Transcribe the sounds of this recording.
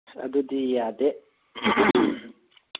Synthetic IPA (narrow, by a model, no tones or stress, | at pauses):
ɐ̰d̪ud̪ijad̪e